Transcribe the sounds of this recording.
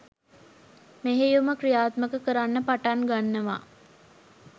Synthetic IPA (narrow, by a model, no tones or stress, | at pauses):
meɦejuməkrijaːt̪məkəkəɾanːəpaʈaŋɡanːəʋa̰